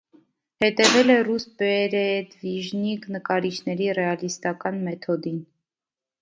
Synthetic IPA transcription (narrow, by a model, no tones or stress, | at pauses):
hɛt̪ɛvɛlɛrusbɛɾɛd̪viʒniknəkɑɾit͡ʃʰnɛɾirɛɑlist̪ɑkɑnmɛt̪ʰɔd̪in